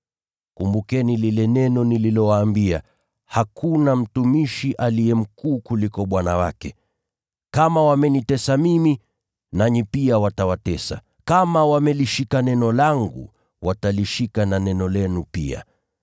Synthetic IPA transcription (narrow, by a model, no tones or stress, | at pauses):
kumbukɛnililɛnɛnɔnililɔwaːmbia̰ | hakunam̩tumiʃiʔaliɛm̩kuːkulikɔɓwana̰wa̰kɛ | kamawamɛnitɛsamimi | naɲipiawatawatɛsa̰ | kamawamɛliʃikanɛnɔlaŋɡṵ | wataliʃikananɛnɔlɛnupḭa̰